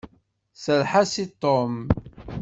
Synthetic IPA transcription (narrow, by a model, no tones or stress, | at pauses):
səlħasit̪ˤːom